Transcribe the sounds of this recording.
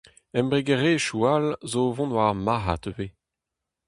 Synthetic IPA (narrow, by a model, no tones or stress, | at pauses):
ɛmbʁeɡeʁeːʃualzovɔ̃nwaʁmaɦa̰t̪ve